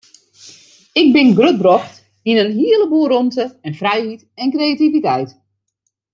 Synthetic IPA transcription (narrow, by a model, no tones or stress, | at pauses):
ɪɡ̚bɪnɡrøt̚brɔxt | inənɦiələbuəɾɔntəɛnfrɛjhit | ɛnkrejativitɛjt